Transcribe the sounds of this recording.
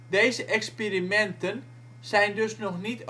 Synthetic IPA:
dejzəʔɛkspirimɛntən | z̥ɛjndøsnɔxnit

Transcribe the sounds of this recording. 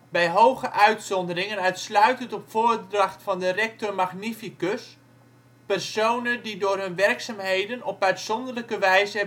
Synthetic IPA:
bɛjɦowɣəʔœɥtsɔndərɪŋənœɥtslœɥtətɔpfoːrdrɑxtfɑndərɛk̚tɔrmaɣnifikøs | pɛrsownəndidʊːrɦɵnʋɛrksamɦejdənɔpœɥtsɔndərləkəʋɛjzə

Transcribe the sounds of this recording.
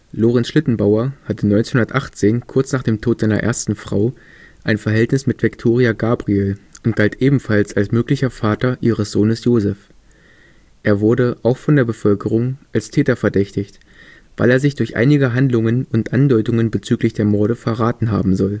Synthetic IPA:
loːʁɛnsʃlɪtn̩baʊɐhatənɔʏnt͡senhʊndɐtʔaχt͡seːnkʰʊɐt͡snaːχd̥eːmtʰoːtz̥aɪnɐ̰ʔḛːɐstn̩fʁ̥a̰ʊ | ʔaɪnfɛɐɦɛltnɪsmɪtv̥ɪktʰoːʁiaɡaːbʁielʊnt̚ɡ̥altʔeːbm̩falsalsmøːklɪçɐfaːtɐʔiːʁəsz̥oːnəsjoːzɛf | ʔeːɐvʊɐdəʔaʊxfɔndeːɐbəfœlkəʁ̞ʊŋʔalstʰɛːtɐfɛɐdɛçtɪçt | v̥aɪleːɐzɪçd̥ʊɐçʔa̰ɪnɪɡəɦandlʊŋənʊntʔandɔʏtʊŋənbət͡syːklɪçd̥eːɐmɔɐɾəfɛɐʁaːtn̩ɦa̰ːbm̩zɔl

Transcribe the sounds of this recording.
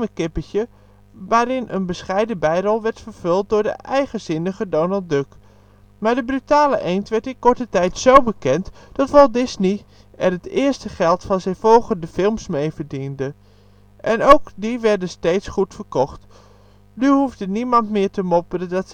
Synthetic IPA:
əkɪpətə | ʋaːɾɪnʔə̰nbəsχɛjdəbɛjrɔlˠʋɛɹtfəɹv̥ɵlˠt̚dʊːɹdə̰ʔɛjχəzɪnəχədonəlˠdɵk | maːɹdəbrytaːləʔejntʋɛɹtɪnkɔɹtətɛjtsowbəkɛntd̥ɑtʋɑlˠdɪzni | ʔɛrɦətɪːɹstəχɛlˠtfɑnzɪfɔlˠχəndəfɪlˠmsmejvəɹdində | ʔɛnowkdiʋɛɹdəstejtsχutfəɹkɔχt | nyɦuvdənimɑntmɪːɹtəmɔpələdɑt

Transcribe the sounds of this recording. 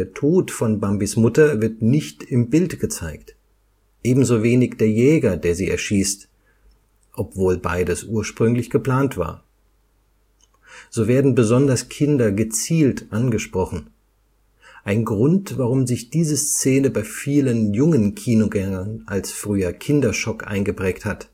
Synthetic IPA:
eːɐtʰoːtfɔnbambismʊtɐvɪɐtnɪçtɪmbɪltɡ̥ət͡saɪkt | ʔeːbm̩zoːveːnɪçd̥eːɐjɛːɡɐdeːɐziːʔɛ̰ɐʃiːst | ʔɔpv̥oːlba̰ɪdəsʔuːɐʃpʁ̥ʏŋlɪçɡ̥əpl̥aːntv̥a̰ːɐ | z̥oːveːɐdn̩bəzɔndɐskʰɪndɐɡət͡siːltʔanɡəʃpʁ̥ɔχn̩ | ʔaɪnɡʁʊntv̥aʁʊmzɪçd̥iːzəst͡seːnəbaɪfiːlənjʊŋənkʰiːnoɡɛŋɐnʔalsfʁ̥yːɐkʰɪndɐʃɔkʔa̰ɪnɡəpʁ̥ɛːkthat

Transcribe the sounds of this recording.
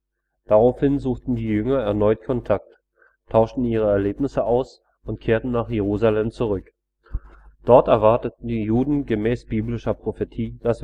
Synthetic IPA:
d̥aʁaʊfhɪnzuːχtn̩diːjʏŋɐɛɐnɔʏtkʰɔntʰak̚t | tʰːaʊʃtn̩iːʁ̞əɛɐleːpnɪsəʔaʊs | ʊntkʰeːɐtn̩naːχjeʁuːzalɛmt͡suʁʏk | d̥ɔɐtɛɐvaɐtət̚n̩diːjuːdn̩ɡəmɛːsb̥iːblɪʃɐpʁ̥ofetʰiːd̥as

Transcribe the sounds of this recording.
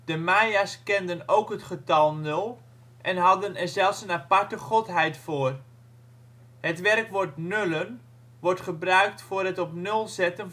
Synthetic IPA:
d̥əmajaskɛndənowkɦətχətɑlˠnølˠ | ʔɛnɦɑdənɛrzɛlˠfsənapaɹtəχotɦɛjtfoːr | hətʋɛrkʋɔɹtnølən | ʋɔɹtχəbrœɥk̚tfʊːrɦətɔpnɵlˠzɛtən

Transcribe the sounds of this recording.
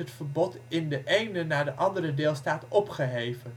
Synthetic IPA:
ətfəɹbɔtɪndəʔejnənaːɹdəʔɑndəɾədeːlˠstaːtɔpχəɦejvən

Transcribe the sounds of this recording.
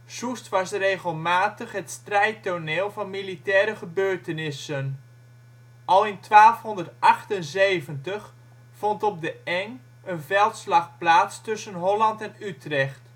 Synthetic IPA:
sustʋɑsreɣəlˠmaːtəχɦətstrɛjtoneːlˠvɑnmilitɛːɾəχəbøːɹtənɪsən | ʔɑlˠɪntʋaːlˠfɦɔndərtʔɑχtənzejvəntəχ | fɔntɔb̚dəɛŋ | ənvɛlˠtslɑχplaːtstɵsənɦɔlɑntɛnytrɛχt

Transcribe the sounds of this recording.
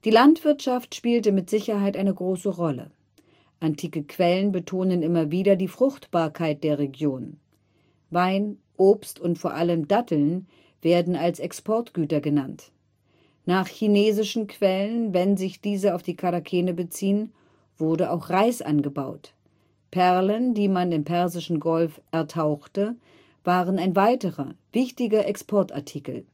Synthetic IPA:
d̥iːlantv̥ɪɐtʃaftʃpiːltəmɪtz̥ɪçɐɦaɪtʔaɪnəɡʁoːsəʁɔlə̰ | ʔantʰiːkəkʰv̥ɛlənbətʰoːnənʔɪmɐviːdɐdiːfʁ̥ʊxtb̥aːɐkʰaɪt̚d̥eːɐʁeɡjoːn | vaɪnʔoːpstʊntfoːɐʔaləmdatʰl̩n | v̥eːɐdn̩alsɛkspʰɔɐtɡ̥yːtɐɡənant | naːχçineːzɪʃn̩kʰv̥ɛlənvɛnzɪçd̥iːzəaʊfd̥iːkʰaʁakʰɛːnəbət͡siːən | v̥ʊʁdəa̰ʊxʁaɪsʔa̰nɡəbaʊt | pʰɛʁləndiːmanɪmpʰɛɐzɪʃn̩ɡɔlfʔɛɐtʰaʊxtə | vaːʁənaɪnvaɪtəʁɐvɪçtɪɡɐʔɛkspʰɔɐta̰ɐtʰiːkl̩

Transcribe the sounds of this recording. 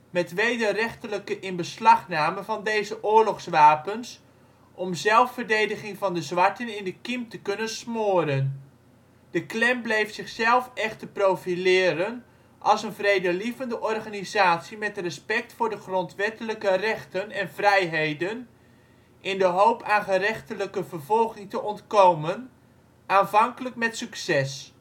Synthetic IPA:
mɛtʋejdərɛχtələkəʔɪnbəslɑχnaːməvɑndejzəʔʊːərlɔχsʋaːpəns | ʔɔmzɛlˠfːərdejdəχɪŋvɑndəzʋɑɹtənɪndəkimtəkɵnənsmoədən | d̥əklɛmblejftsɪχsɛlˠfɛχtəprowfilɪːɾən | ʔɑlˠsənvrejdəlivəndəʔɔrχaːnizaːtsimɛtrəspɛk̚tfʊːɹdəχrɔntʋɛtələkərɛχtənɛnvrɛjɦejdən | ʔɪndəɦowpʰaːnχərɛχtələkəvərvɔlˠχɪŋtəʔɔntkowmən | aːnvɑŋkələkmɛtsyksɛs

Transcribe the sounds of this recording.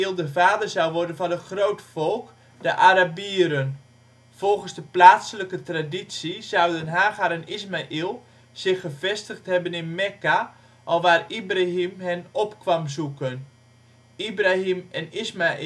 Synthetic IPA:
ilˠdəvaːdərzawʋɔrdənvɔnətχrowtfɔlˠk | dəʔaɾabiəɾən | v̥ɔlˠɣən̩zdəplaːtsələkətradisiz̥awdənɦaːɣaɾənismaʔilˠ | z̥ɪχəvɛstəχthɛbənɪnmɛka | ʔɔlˠʋaːribraɦimɦɛnɔpkʋamzukən | ibraɦimɛnismaʔ

